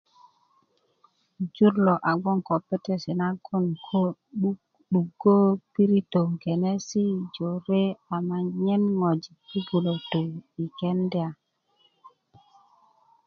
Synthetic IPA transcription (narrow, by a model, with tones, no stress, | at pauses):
d͡ʒu˦ɾlɔ˨ʔa˨ɡɔ˦ŋkɔ˨pe˦te˦si˨na˦ɡo˦˨nkʰo˦u˦ | ɗu˨ɡo˦pi˦ɾi˦to˨ŋɡe˨ne˦si˦d͡ʒo˨ɾe˦a˨ma˨ɲɛ˦nŋɔ˨d͡ʒi˨i˦ɡu˨lo˨to˨i˨kɛ˦ndɛ˦a˨